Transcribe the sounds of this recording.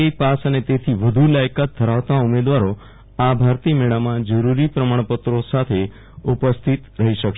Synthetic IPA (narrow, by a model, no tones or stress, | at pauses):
epasənet̪et̪ʰiʋəd̪ʱulajkat̪̚ʰːəɾaʋt̪aumed̪ʋaɾo | abʱaɾt̪imeɭamãd͡ʒəɾuɾipɾəmaɳ̃pət̪ɾosat̪ʰe | upəst̪ʰit̪ɾəɦiʃəkʃ